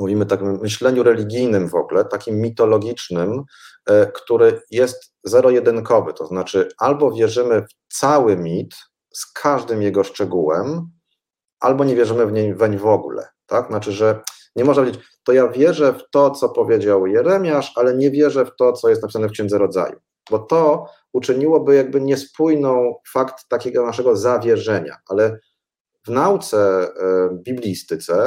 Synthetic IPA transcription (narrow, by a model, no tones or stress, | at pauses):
muvʲimɘt̪akʲimːɘɕlɛɲuɾɛlʲiɡʲijnɘmvɔ̰ɡulɛt̪akʲimːʲit̪ɔlɔɡʲit͡ʂnɘm | kt̪uɾɘjɛst̪ | zɛɾɔjɛd̪ɘnkɔvɘt̪ɔznat͡ʂɘalbɔvʲjɛʐɘmɘft̪sawɘmʲit̪ | skʰaʐd̪ɘmjɛɡɔʂt͡ʂɛɡuwɛm | ʔa̰lbɔɲɛvʲjɛʐɘmɘvɲejvɛɲvɔɡulɛ̰t̪akznat͡ʂɘʐɛ | ɲɛmɔʐnapvjed͡ʑt͡ɕɪt͡ɕ | t̪ɔjavʲjɛʐɛft̪ɔt̪sɔpɔvʲjed͡ʑawjɛɾɛmʲjaʂalɛɲɛvʲjɛʐɛft̪ɔt̪sɔjɛst̪napisanɛfkɕɛndzɛɾɔd̪za̰jṵ | bɔt̪ɔ | ut͡ʂɘɲiwɔbɘjaɡ̚bɘɲɛspujnɔ̃w̃fakt̪ːakʲɛɡɔnaʂɛɡɔzavʲjɛʐɛɲa̰ʔalɛ | vnawt̪sɛ | bʲiblʲist̪ɘt̪sɛ